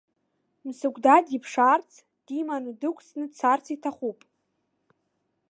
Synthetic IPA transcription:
msɨɡʷʰʼdadipʰʂart͡sʰ | d̥imanɨdɨkʷʰʼsnɨt͡sʰart͡sʰitʰaχʷupʼ

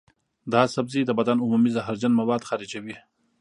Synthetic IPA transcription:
d̪ɑsabzid̪əbad̪anʊmumizaɦaɾd͡ʒanmawɑːd̪xɑɾid͡ʒawi

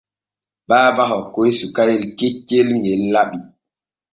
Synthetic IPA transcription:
baːbaɦɔkːojsukaɾelket͡ʃːelŋɡelːaɓi

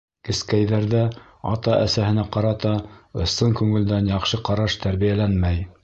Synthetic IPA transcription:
kɘ̆skæjðæɾðæ | ɑ̰t̪ɑʔæ̰sæhɘ̆næqɑɾɑt̪ɑŏsːɤŋkʉŋɘ̆ld̪ænjɑqʃɤqɑɾɑʃt̪æɾβijælænmæj

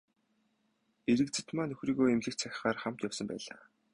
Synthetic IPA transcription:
eɾɘ̆k̚t͡sʰi̥t̪maːnt̪ʰɵxriːɣoːemɮɘ̆kt͡sʰæxʲɪ̥̆χaːrχam̥t̪jɔwsə̆mpæ̰ːɮa̰ː

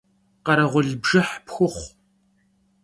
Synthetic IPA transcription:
qɐɾɐʁʷʊɮbʒɨħpxʷʊχʷ

